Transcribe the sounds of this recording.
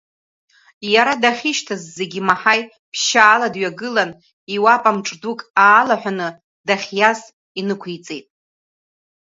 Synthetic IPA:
jaɾadaχʲiʃtʰazːe̞ɡʲimaħaj | pʰʃaːladɥaɡɨlan | iwapʼamʈ͡ʂʼdukʼaːlaħʷᶣanɨ | daχʲjaz | inɨkʷʰijt͡sʼe̞jtʼ

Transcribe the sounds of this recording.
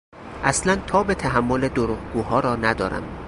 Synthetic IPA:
ʔæslænt̪ʰɒːbet̪ʰæɦæmːoled̪oɾuːʁɡ̥uːɦɒːɾɒːnæd̪ɒ̰ːɾæ̰m

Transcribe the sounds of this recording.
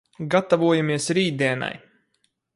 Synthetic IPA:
ɡat̪ːavuɔjamiɛsɾiːt̪d̪ɛːna̰j

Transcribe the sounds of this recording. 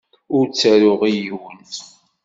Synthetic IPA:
ʊɾt͡sːəɾʊʁijwənt̪

